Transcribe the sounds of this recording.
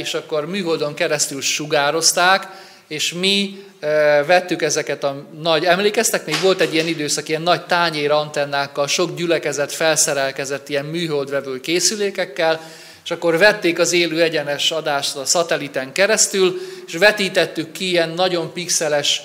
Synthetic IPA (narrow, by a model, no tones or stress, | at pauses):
eːʃɒkːo̞rmyːɦold̪o̞ŋkɛɾɛst̪ylʃuɡaːɾo̞st̪aːk | eːʃmi | vɛt̪ːykɛzɛkɛt̪ɒnɒɟɛmleːkɛst̪ɛkmeːɡʋo̞lt̪ɛɟːijɛnid̪øːsɒkijɛnːɒɟt̪aːɲeːɾɒnt̪ɛnːaːkːɒlʃo̞ɡɟylɛkɛzɛt̪fɛlsɛɾɛlkɛzɛt̪ːijɛmmyːɦo̞ld̪vɛvølkeːsyleːkɛkːɛl | eːʃɒkːo̞rvɛt̪ːeːkɒzeːløːɛɟɛnɛʃɒd̪aːʃt̪ɒsɒt̪ɛlit̪ɛŋkɛɾɛst̪yleʃvɛt̪iːt̪ɛt̪ːykːiijɛnːɒɟo̞mpiksɛlɛʃ